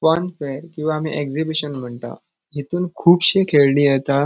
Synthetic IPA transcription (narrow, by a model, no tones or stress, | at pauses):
fanfeɾkĩw̃ʋaːm̤ḭːʔekd͡zibiɕənm̤əɳt̪a̰ | ɦit̪uːnkʰuːbɕekʰeɭɳiːjet̪a